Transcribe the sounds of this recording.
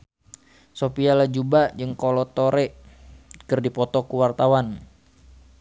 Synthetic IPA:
sopialad͡ʒubad͡ʒɨŋkɔlɔt̪oɾɛ | kɨrdipɔt̪ɔkuwart̪awan

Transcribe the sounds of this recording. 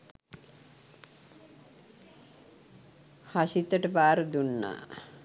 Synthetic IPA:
haʃit̪ːəʈəbaːɾəd̪unːa̰

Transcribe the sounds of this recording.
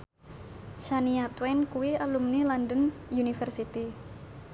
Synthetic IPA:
ʃaniat̪wɛnkuwialumnilɔndənjunifɛrsit̪i

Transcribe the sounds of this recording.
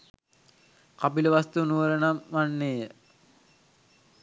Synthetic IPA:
kabiləʋast̪unuʋəɾənamʋanːeːjə

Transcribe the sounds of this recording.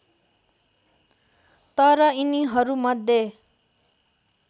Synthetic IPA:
t̪ʌɾʌiniɦʌɾumʌd̪ʱːje

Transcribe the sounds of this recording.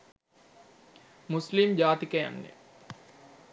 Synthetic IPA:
muslimd͡ʒaːt̪ikɐjɐ̰nːḛ

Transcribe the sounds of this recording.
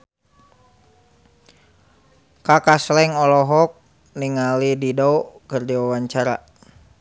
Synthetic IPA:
kakaslɛŋɔlɔɦɔk̚ | niŋalididɔkərd͡ʒawawaɲt͡ʃaɾa̰

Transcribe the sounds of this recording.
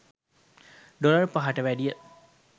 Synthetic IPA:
ɖolɐrpaɦaʈəʋæɖijə

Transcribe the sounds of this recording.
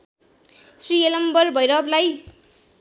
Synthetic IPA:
srielʌmbʌrbʱʌjɾʌblaj

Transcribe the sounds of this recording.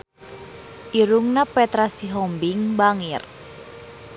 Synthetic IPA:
ʔiɾuŋnapɛt̪ɾasiɦɔmbiŋbaŋir

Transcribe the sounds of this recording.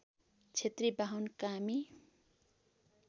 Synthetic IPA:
t͡sʰet̪ribaɦʌwnkami

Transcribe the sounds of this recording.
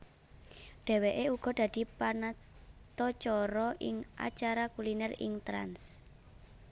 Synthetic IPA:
ɖ̪̥ɛ̤weʔeuɡ̥ɔ̤d̪̥ä̤d̪̥i̤pana | t̪ɔt͡ʃɔɾɔʔɪŋʔa̰t͡ʃaɾakulinɛrɪ̰ŋt̪ɾa̰ns

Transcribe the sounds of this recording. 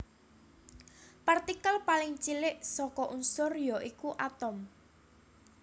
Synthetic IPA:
part̪ikalpalɪŋt͡ʃilɪʔsɔkɔʔunsʊrjɔʔikuʔat̪ɔm

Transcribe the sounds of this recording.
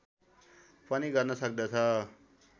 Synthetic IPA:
pʌniɡʌrnʌsʌk̚d̪ʌt͡sʰʌ

